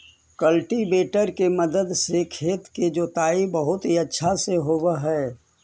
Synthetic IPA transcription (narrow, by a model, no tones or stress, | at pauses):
kəlʈibeːʈəɾkeməd̪əd̪sekʰeːt̪ked͡ʒoːt̪aːibɐɦʊt̪ɦiɐtːʃʰaseɦowəɦɛː